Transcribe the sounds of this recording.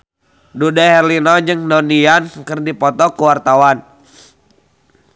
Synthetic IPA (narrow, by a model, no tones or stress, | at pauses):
dudaɦɛrlinɔd͡ʒɨŋdɔniankərdipɔt̪ɔkuwart̪awan